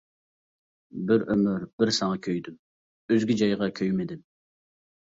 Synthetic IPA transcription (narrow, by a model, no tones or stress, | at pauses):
bɪɾømyɾb̥ɪɾsɑŋɑkʲʰøjd̪ym | øzɡʲid͡ʒɑjʁɑkʲʰøjmɪd̪ɪm